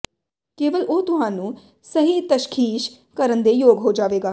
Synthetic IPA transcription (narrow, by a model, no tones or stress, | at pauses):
keːʋəlʔoːt̪ʊɦãːnũː | səɦiːt̪əʃkʰiːʃ | kəɾənd̪eːjoːɡɦoːd͡ʒaːʋeːɡaː